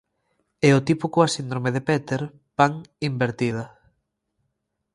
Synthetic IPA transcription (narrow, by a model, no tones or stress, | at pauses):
ɛot̪ipukoasind̪ɾomeðepɛt̪eɾ | paŋimbeɾt̪iðɐ